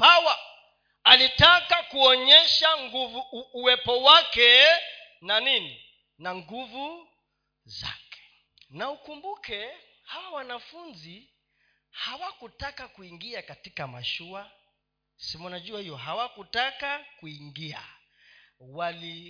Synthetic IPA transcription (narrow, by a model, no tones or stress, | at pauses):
pawa | alitakakuɔɲɛʃaŋɡuvuːwɛpɔwakɛ | nanini | naŋɡuvu | za̰kɛ̥ | naukumbukɛ | hawawanafunzi | hawakutakakuiŋɡiakatikama̰ʃua | simunaʄuahijɔɦawakutakakuiŋɡia̰ | wali